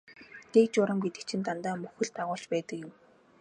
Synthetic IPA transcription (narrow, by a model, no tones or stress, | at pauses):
t̪ekt͡ɕʊɾə̆mɡet̪ɘ̆kt͡ɕʰĭnt̪ant̪aːmɵxɘ̆ɮt̪aʁʊːɬt͡ɕpæːt̪ə̆kjɪ̆m